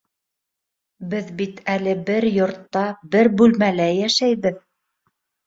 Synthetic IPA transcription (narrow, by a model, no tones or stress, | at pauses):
bɘðbit̪ælɘbɘɾjŏɾt̪ːɑbɘɾbʉlmælæjæʃæjβɘð